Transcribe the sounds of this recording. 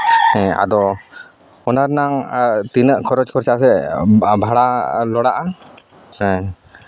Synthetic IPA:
ɛ̃a̰d̪ɔ | ɔnaɾnaŋt̪inəʔkʰɔɾɔt͡ʃkʰɔɾt͡ʃas̬ɛbʱaɽalɔɽaʔa | ɛ̃

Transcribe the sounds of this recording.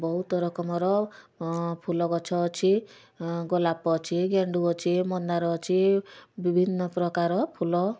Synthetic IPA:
bɔɦut̪ɔɾɔkɔmɔɾɔ | pʰulɔɡɔt͡ʃʰɔːt͡ʃʰi | ɡɔlapɔt͡ʃʰiɡeɳɖuɔt͡ʃʰimɔndaɾɔːt͡ʃʰibibʱinːɔpɾɔkaɾɔpʰulɔ

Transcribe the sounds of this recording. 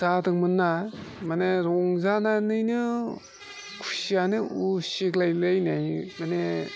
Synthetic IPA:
zadɯŋmɯnːamaneɾɔŋzananɯjnɯ | kʰusianɯusiklajlɯjnajmane

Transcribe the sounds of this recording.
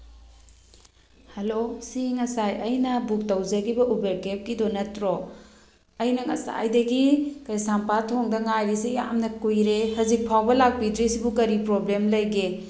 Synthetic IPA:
hɐlosiŋɐsajɐjnɐbuk̚tɐwzɐɡibɐʔubeɾkep̚kidonɐtɾo | ɐjnɐŋɐsa̰jdɐɡikɐjsampatʰoŋdɐŋajɾisija̰mnɐkujɾehɐzik̚pʰawbɐlak̚pidɾisibukɐɾipɾoblemlɐjɡe

